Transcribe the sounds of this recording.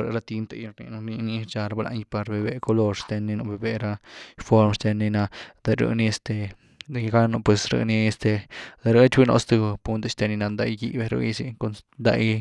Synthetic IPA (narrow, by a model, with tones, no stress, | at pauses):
ɾə̰˧ɾa˧t̪i˧nt̪a˧jɾnḭ˧n˧ni˧ni˧t͡ʃa˧ɾa˧ba˧la̰˧n˧pa˧ɾbe˧be˧ko˧lo˧ɾst̪e˧nːi˧no˧ʔbe˧be˧ɾa˦fo˧ɾmst̪e˧ni˧na˧d̪e˧ɾə̰˧ni˧e˧st̪e˧ | d̪e˧jɡa˦no˧pwe˧sɾə̰˧ni˧e˧st̪e˧d̪e˧ɾə˦t͡ʃwi˦no̰˧st̪u˧pu˧nt̪e˧st̪e˧ni˧na˧nd̪a˧jɡi˧be˧ɾṵ˧i˧si˧ko˧nnd̪a̰˧j